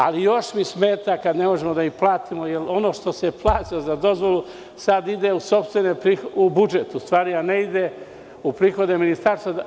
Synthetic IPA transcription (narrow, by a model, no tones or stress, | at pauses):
a̰lijo̞ʃmismeːt̪akad̪ne̞mo̞ʒemod̪aiplˠaːt̪ʰimojelo̞no̞ːʃt̪o̞seplˠaːt̪ilozad̪o̞zʋo̞lu | sad̪id̪euso̞pst̪ʋenepɾiubud͡ʒet̪ust̪ʋaːɾianeid̪e | upɾiːxo̞d̪e̞minist̪aɾst̪ʋa